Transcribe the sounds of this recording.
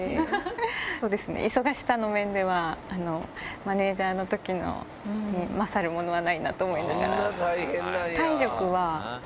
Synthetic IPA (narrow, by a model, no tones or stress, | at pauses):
e | so̞ːd̪e̞sɨnḛʔiso̞ɡaɕi̥t̪ano̞mẽ̞nd̪e̞βaːno̞mane̞ːd͡ʑaːno̞t̪o̞kʲino̰ | ɲimasaɾɯ̟mo̞no̞βanaina̰t̪oːmoĩnd̪asɡa̰ɾt̪aiẽnat̪aiɾʲo̞kɯ̟βa